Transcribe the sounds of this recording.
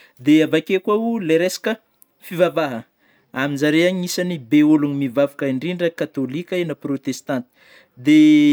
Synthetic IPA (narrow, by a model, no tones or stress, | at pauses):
d̪eavakʲekwauleɾesḁkə | fivavaɦə | aminzaɾeaɲiisanibeuluɲimivavukaiɳɖ͡ʐiɳɖ͡ʐəkat̪olikʲenəprot̪est̪ant̪i̥ | d̪e